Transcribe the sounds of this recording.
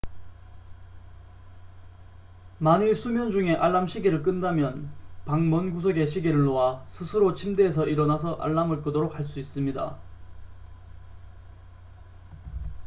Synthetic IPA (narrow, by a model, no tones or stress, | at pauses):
manis͈ʰumjʌnd͡ʑuŋe̞ʔaɭːamɕʰiɡiɾɯɭk̬͈ɯndamjʌnpaŋmʌnɡusʰʌɡe̞ɕʰiɡiɾɯɭːowasʰɯsʰɯɾot͡ɕʰimdeːs̬ʰʌʔiɾʌnasʰʌʔa̰ɭːamɯɭk͈ɯdoɾok̚haɭs͈uis͈ɯmɲida̰